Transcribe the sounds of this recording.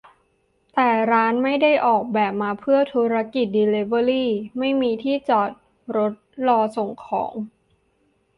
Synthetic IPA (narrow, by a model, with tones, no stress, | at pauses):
t̪ɛː˨˩ɾaː˦˥nma˥˩jda˥˩jʔɔː˨˩k̚bɛː˨˩p̚maː˧pʰɯ˥˩ɐt̪ʰuː˦˥ɾa˧˥ki˨˩t̪̚diː˧le˦bə˧liː˥˩ma˥˩jmiː˧t̪ʰiː˥˩t͡ɕɔː˨˩t̪̚ | ɾo˦˥t̪̚lɔː˧so˨˩ŋkʰɔ̰ː˩˦ŋ